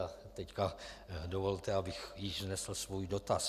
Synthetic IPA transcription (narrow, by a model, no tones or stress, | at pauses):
a | t̪ɛckadovo̞lt̪ɛabɪxjɪʒznɛsl̩svuːjdo̞t̪as